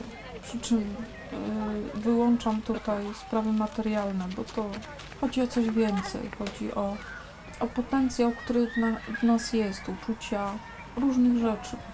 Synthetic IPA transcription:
pʂɘt͡ʂɘm | vɘwɔnt͡ʂamt̪ut̪ajspɾavɘmat̪ɛɾjalnɛbɔt̪ɔ | xɔd͡ʑiɔt̪sɔʑvʲjɛnt̪sɛ̰jxɔd͡ʑḭʔɔ | ɔpɔt̪ɛnt̪sʲjawkt̪uɾɛavnasjɛst̪ut͡ʂut͡ɕa | ɾuʐnɘɣʐɛt͡ʂɘ

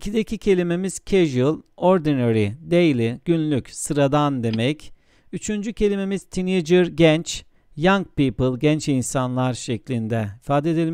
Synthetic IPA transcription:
icʰid̪ecʰicʰe̞lʲime̞miz̥cʰeʒɯlˠoɾd̪inoɾid̪ejlʲiɟ̥ynlʲycsɯɾad̪and̪e̞mɛc | yt͡ʃʰynd͡ʒycʰe̞lʲime̞miz̥t̪ʰined͡ʒɯɾɟɛnt͡ʃ | jaŋk̚piːpɯlˠɟɛnt͡ʃinsanlˠaɾʃeclʲind̪ɛifaːd̪ed̪elʲi

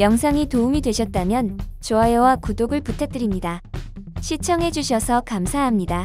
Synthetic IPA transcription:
jʌŋsʰaŋitoumidwe̞ɕʰʌt̚t͈amjʌnt͡ɕoaewakudoɡɯɭputʰe̞t͈ɯɾimɲida | ɕʰit͡ɕʰʌŋɦe̞d͡ʑuɕʰʌsʰʌkamsʰaɦamɲida

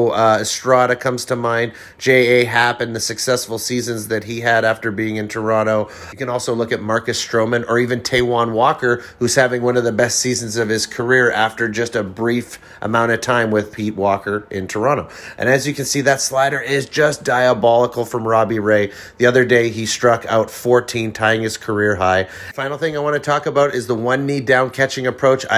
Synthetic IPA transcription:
ɨstɹ̥ɑɾɨkʰʌ̃mz̥tʰəmãɪ̃n | d͡ʒeɪeɪɦæpɨ̃nðɨsɨksɛsfl̩ˠsizɨ̃nzðɨt̚ɦiɨɾæftə˞biɪ̃ŋɨ̃ntʰə˞ɑɾ̃oʊ | kɨ̃ñɔlˠsoʊlʊkɨt̚mɑɹkɨstɹ̥oʊmɨ̃nə˞ivɨ̃ntʰeɪwɑ̃nwɔkə˞hʉz̥hævɪ̃ŋwʌ̃nʌvðɨbɛstsizɨ̃n̩zʌv̥ɨz̥kʰə˞ɪɹæftə˞d͡ʒʌstɨbɹif | ʔə̰mãʊ̃ɾ̃ʌv̥tʰãɪ̃mwɪð̥pʰit̚wɔkə˞ʔɪ̃ntʰə˞ɑ̃ɾ̃oʊʔɨ̰̃nɨzjɨkɨ̃nsiðɨtslaɪɾə˞ɪzd͡ʒʌsd̥aɪəbɑlˠəkl̩ˠfɹʌ̃mɹɑbiɹeɪ | ðiʌðə˞deɪistɹ̥ʌka̰ʊtfɔɹtʰĩntʰaɪɪ̃ŋɨz̥kʰə˞ɪɹɦaɪ | fãɪ̃nl̩ˠθɪ̃ŋaɪwɑ̃ñɨtʰɔkəbaʊɾɪzðəwʌ̃nːidãʊ̃nkʰæt͡ʃɪ̃ŋɨpʰɹ̥oʊt͡ʃa̰ɪ

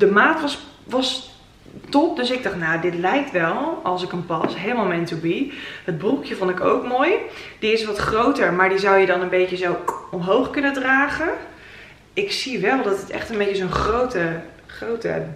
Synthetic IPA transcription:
dəmaːtʋɑsʋɑs | tɔp̚døsɪɡ̚dɑχtnaːdɪtlɛjk̚tʋɛlˠɑlˠsɪkənpɑsɦejlˠmalˠmɛntubihəd̚brukjəvontɪko̰wkmoːjd̥iɪsʋɑtχrowtəɹmaːɹdizawjədɑnənbejcəzowɔmɦowχkɵnədraːχə | ɪksiʋɛlˠdɑtətɛ̰χtənbejcəzonχrowtə | χrowtə̰

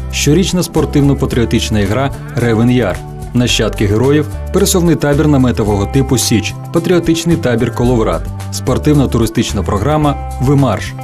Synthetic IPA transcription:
ʃt͡ʃɔɾʲit͡ʃnɐspɔrt̪ɪwnɔpɐt̪ɾʲiɔt̪ɪt͡ʃnɐiɦɾɑ | ɾɛʋɪnja̰r | nɐʃt͡ʃɑt̪kɪɦeɾɔjiw | peɾesɔwnɪjt̪ɑbʲirnɐmɛt̪ɔʋɔɦɔt̪ɪpʊsʲit͡ʃ | pɐt̪ɾʲiɔt̪ɪt͡ʃnɪjt̪ɑbʲirkɔlˠɔʋɾɑ̰t̪ | spɔrt̪ɪwnɐt̪ʊɾɪst̪ɪt͡ʃnɐpɾɔɦɾɑmːɐ | ʋɪmɑrʃ

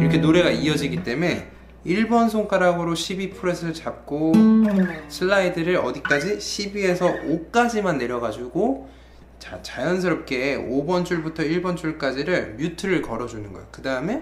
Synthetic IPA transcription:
iɾʌkʰe̞noɾe̞ɡaiʌd͡ʑiɡit͈e̞me̞ | iɭbʌnsʰoŋk͈aɾaɡɯɾoɕʰibipʰɯɾesʰɯɭt͡ɕap̚k͈o | sʰɯɭːaidɯɾɯɾʌ̰dik͈ad͡ʑiɕʰibie̞sʰʌʔok͈ad͡ʑimanːe̞ɾjʌɣad͡ʑuɡo | t͡ɕat͡ɕajʌns̬ʰɯɾʌp̚k͈e̞obʌnt͡ɕ͈uɭbutʰʌiɭbʌnt͡ɕuɭk͈ad͡ʑiɾɯɭmjutʰɯɾɯɭkʌɾʌd͡ʑunɯnɡʌ̰jokɯdaɯme̞

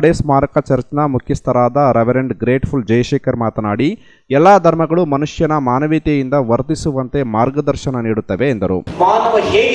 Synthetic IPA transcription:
ɽeːsmaːɾɐkɐt͡ʃɐɾt͡ʃnɐmukʰjist̪ɐɾaːd̪ɐɾeʋɐɾeɳɖɡɾeːʈfʰuld͡ʒɐjɐʂeːkɐɾmaːt̪ɐnaːɽi | ɛlːaːd̪ʱɐɾmɐɡɐɭumɐnuʂjɐnɐmaːnɐʋiːt̪ejind̪ɐʋɐɾt̪isuʋɐnt̪e̞maːɾɡɐd̪ɐɾʃɐnɐniːɽut̪ːɐʋe̞ːnd̪ɐɾṵmaːnɐʋɐɦeː

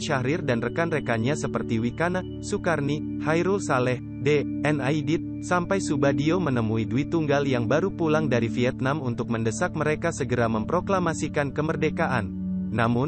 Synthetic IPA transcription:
ʃaɾɪrdanrəkanrekaɲasəpərt̪iwikana | sukarni | hajɾulsalɛh | deɛnaidit̪̚ | sampajsubadiomənəmuiduit̪uŋɡaljaŋbaɾupulaŋdaɾifiɛt̪̚namunt̪ʊk̚məndəsak̚məɾekasəɡəɾaməmpɾoklamasikankəmərdekaʔanː | amʊn

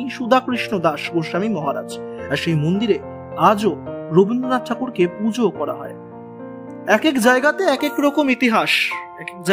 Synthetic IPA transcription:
jʃud̪ʱakɾiʃnod̪aʃboʃamimɔɦaɾa̰d͡ʑaɾʃejmond̪iɾe | ad͡ʑoɾobind̪ɾonat̪ʰakuɾkepud͡ʑokɔɾa̰ɦɔ̰e | ɛkekd͡ʑaeɡat̪eɛkekɾɔkomit̪iɦaʃɛkek̚d͡ʑa

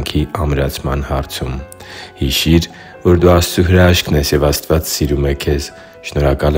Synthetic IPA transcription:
ŋkʰiɑmɾɑt͡sʰmɑ̰nhɑɾt͡sʰum | hiʃiɾ | vɔɾd̪uɑst͡suɦəɾɑɑʃkʰnɛsjɛvɑst̪vɑt͡ssiɾumɛkʰɛz | ʃnɔɾɑkɑlɛ

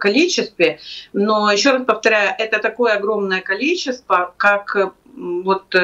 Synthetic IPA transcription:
kɐlʲit͡ɕɪst̪vʲɪnojɪɕːo̞ɾaspəft̪ɐɾʲæjʊʔɛt̪ət̪ɐko̞jəɐɡɾo̞mnəjəkɐlʲit͡ɕːɪst̪vəkak | vo̞t̪

